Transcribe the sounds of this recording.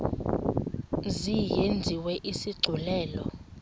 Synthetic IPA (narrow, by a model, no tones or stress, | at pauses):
zijend͡zʱiwɛʔisiɡ͡ǀʱulɛːlɔ